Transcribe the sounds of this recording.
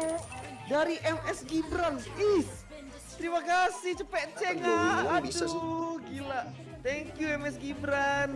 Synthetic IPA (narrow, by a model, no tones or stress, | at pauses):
daɾiʔɛmɛsɡibɾanis | t̪ɾimakasiht͡ʃəpɛʔt͡ʃɛŋaduɡila | t̪ɛŋkjuɛmɛsɡibɾan